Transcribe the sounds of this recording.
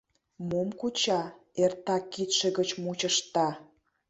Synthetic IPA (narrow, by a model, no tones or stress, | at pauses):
momkut͡ɕɑert̪ɑkːit̪ʃĕɣət͡ɕmut͡ɕəʃt̪ɑ